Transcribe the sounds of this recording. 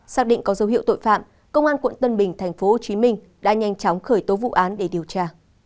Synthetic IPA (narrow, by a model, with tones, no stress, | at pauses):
saː˦˥k̚ɗḭ̈˧˨ŋ̟kɔ˨˦zə˨˦wɦi˧˨wt̪o̰˧˨jfa̰ː˧˨m | kə˧wŋ͡mʔaː˧nkwə̰˧˨nt̪ə˧nɓï˨˩ŋ̟t̪ʰɛ˨˩jŋ̟fo˨˦ho˨˩t͡ɕi˨˦mï˧ŋ̟ | ɗa̰ː˧˥ɲa˧jŋt͡ɕɔ˨˦wŋ͡mxəː˧˩jt̪o˨˦vṵ˧˨ʔaː˨˦nɗe˧˩ɗi˨˩əwt͡ɕaː˧˩